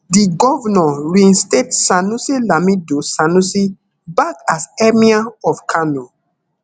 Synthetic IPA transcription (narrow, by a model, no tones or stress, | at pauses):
diɡɔvɔnɔɹĩnstetsanusilamidosanusi | bakasɛmiaɔfkʰano